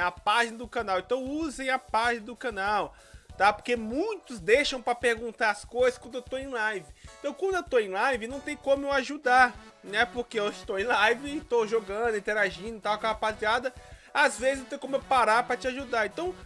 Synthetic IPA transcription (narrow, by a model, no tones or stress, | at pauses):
ɐpaʒinɐd̪ʊkɐ̃nawẽnt̪ɐ̃w̃uzẽj̃ɐpaʒinɐd̪ʊkɐ̃naw | t̪apoɾkemũj̃t̪ʊzd̪ejʃɐ̃w̃pɾɐpeɾɡũnt̪aɾɐskojzɐskwɐ̃nd̪ewt̪oẽj̃lajvɪ̃t̪ɐ̃w̃kwɐ̃nd̪ʊewt̪oẽj̃lajvɪnɐ̃w̃t̪ẽj̃kõmʊeaʒud̪aɾnɛpoɾkeõʃɪt̪owẽj̃lajvɪːt̪owʒoɡɐ̃d̪ʊĩt̪eɾaʒĩd̪ʊt̪awkaɐpat̪ɾiad̪ɐazvezɪzewt̪ẽj̃kõmʊewpaɾaɾpɾɐt͡ʃɪaʒud̪aɾẽt̪ɐ̃w̃